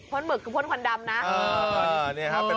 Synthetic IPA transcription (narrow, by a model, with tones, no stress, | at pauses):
kʰo˧˥˨nmɯ˨˩kʰːɯː˧pʰːnkʰa˧nda˧mna˦˥ʔəː˧˩˧ni˥˩ɐkʰa˦˥pː